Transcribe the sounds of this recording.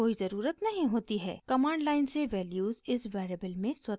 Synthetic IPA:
oːizɐɾuːɾət̪nɐɦĩɦoːt̪iɦɛ̰ːkɐmãːɳɖlaːɪnseʋɛːljuːzɪsʋɛːɾeːbəlmẽswɐ

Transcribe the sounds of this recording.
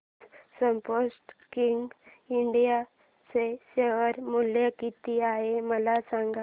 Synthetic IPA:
səmposʈkiŋɡ | iɳɖija | t͡seseʋəɾmuljakit̪iaɦeməlasaŋɡa

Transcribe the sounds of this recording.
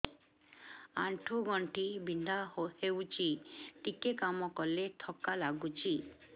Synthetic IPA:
aɳʈʰoɡɔɳʈibind̪ʱaohewt͡ʃʰiʈikekamɔkɔlet̪ʰɔkalaɡut͡ʃʰi

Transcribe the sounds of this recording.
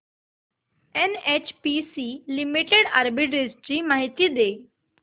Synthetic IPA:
enet͡ɕpisilimiʈeɽa̰ɾbiʈɾed͡ʑd͡ʑiːmaːɦɪt̪id̪eː

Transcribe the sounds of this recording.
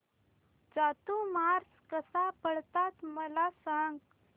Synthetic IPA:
d͡zat̪umaɾskəsapəɭt̪at̪məlasãŋɡ

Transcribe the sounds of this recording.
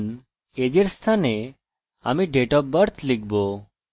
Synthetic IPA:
n | ed͡ʑeɾst̪ʰane | a̰miɖeʈɔp̚bəɾt̪ʰlik̚ʰbo

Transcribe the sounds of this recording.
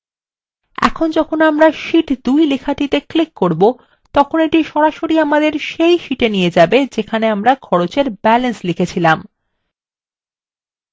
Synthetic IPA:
ɛ̰kʰond͡ʑɔkʰonamɾaʃiʈd̪ujlekʰaʈit̪eklikːoɾbo | t̪ɔkʰoneʈiʃɔɾaʃoɾiamad̪eɾʃejʃiʈenijed͡ʑabed͡ʑekʰaneamɾakʰɔɾot͡ɕeɾbɛlenslikʰet͡ɕʰilam

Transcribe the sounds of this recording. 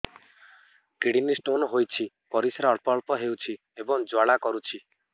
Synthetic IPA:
kiɽinisʈonɔɦojt͡ʃʰi | pɔɾisɾaɔɭpɔɭpɔɦewt͡ʃʰi | ebɔŋd͡ʒwaɽakɔɾut͡ʃʰi

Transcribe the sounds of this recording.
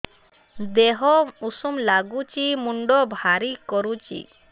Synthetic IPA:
d̪eɦɔusumlaɡut͡ʃimuɳɖɔbʱaɾikɔɾut͡ʃḭ

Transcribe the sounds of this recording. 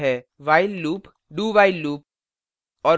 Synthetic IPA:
ɦɛ | ʋaːɪlːuːp | ɖuːʋaːɪlːuːp̚ | ɔːɾ

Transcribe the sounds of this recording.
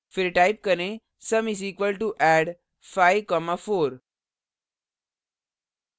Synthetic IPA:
fiɾʈaɪp̚kənẽ | səmisiːkʋəlʈuʔɛɖ | fajʋkɔmafoːɾ

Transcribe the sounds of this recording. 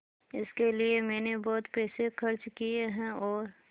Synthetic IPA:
ɪskeliemɛːnebɔːt̪pɛːsexɐɾt͡ʃkieɦɛ̃ɔːɾ

